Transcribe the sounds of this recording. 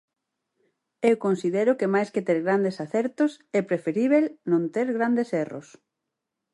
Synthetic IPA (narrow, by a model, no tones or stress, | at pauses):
ewkonsiðɛɾʊkemajsket̪eɾɣɾand̪esaθɛɾt̪ʊsɛpɾefeɾiβ̞elnõnt̪eɾɣɾand̪esɛro̰s